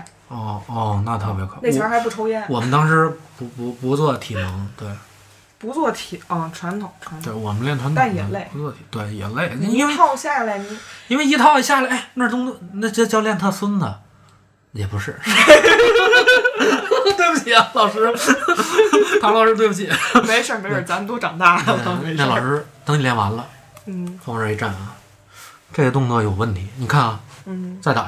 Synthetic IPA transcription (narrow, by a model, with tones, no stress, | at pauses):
ɔ˥˩ɔ˥˧˩na˥˩t̪ʰɤ˥˩pjɛ˧˥kʰne˥˩t͡ɕʰa˧˥xa˧˥ɪp̬u˥˩ʈ͡ʂʰo˥ʊjɛ˥˩nwɔ˨˩mə˦nt̪ɑ˥ŋʂɻ̩˧˥pu˧˥pu˧˥pu˧˥t͡swɔ˥˩t̪ʰi˨˩mɤ˧˥ŋt̪we˥˩ɪ | pu˧˥t͡swɔ˥˩t̪ʰi˨˩ə˥˧˩ʈ͡ʂʰwa˧˥nt̪ʰʊ˨˩˦ŋʈ͡ʂʰwa˧˥nt̪we˥˩wɔ˨˩mə˦nljɛ˥˩nt̪ʰa˥na˥˩njɛ˨˧˥le˥˩ɪpu˧˥t͡swɔ˥˩t̪ʰi̥˨˩t̪we˥˩ɪjɛ̰˨˩nle˥˩ɪ˥i˥nwe˥ɑ˥˧ʊɕja˥˩la˧˩ɪni˧˥i˥nwe˥˧ɪi˥˩t̪ʰɑ˧˥ʊ˧˩ɕja˥˩la˥˩ɪna˥˩ʈ͡ʂ̪ʊ˥ŋ˥na˥˩t͡ɕɛ˥˧t͡ɕjɑ˥˧ʊljɛ˥˧nt̪ʰa˥swə˥nd̪ə˨ | jɛ˨˩pu˧˥ʂɻ̩˥˩˥ | t̪we˥ɪbu˨t͡ɕʰi˨˩a˧lɑ˨˩ʊʂɻ̩˥˧˥ | lɑ˨˩ʊʂɻ̩˥t̪̬we˥˩bu˩t͡ɕʰi˨˩me˧˥ɪʂə˨˩nme˧˥ə˞˨˩t͡sa˧˥mə˧t̪o˥ʊʈ͡ʂɑ˨˩ŋt̪a˥˩˥me˧˥˩lʂɻ̩˥t̪ɤ˧˥ŋni˨˩ljɛ˧˥nwa̰˧˥nlə˧˥˩ | fɑ˧˥ŋə˧˥˩e˧˥ʈ͡ʂa̰˥˩nɐ˩ | ʈ͡ʂe˥˩ə˧t̪ʊ˥˧ŋt͡swɔ˥˩jo˨˩ʊwə˥˩nt̪ʰi˧˥ni˨˩kʰa˥˩n̩˥˩t͡sa˥˧ɪt̪a̰˨˩